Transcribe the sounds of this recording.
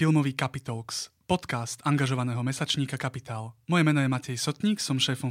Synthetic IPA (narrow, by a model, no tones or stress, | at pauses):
ilˠmɔʋiːkapit̪ɔlkspɔt̪kast̪aŋɡaʒɔʋanɛːɦɔmɛsat͡ʃɲiːkakapit̪aːlmɔjɛmɛnɔjɛmacɛjsɔt̪ɲiːksɔmʃɛːfɔm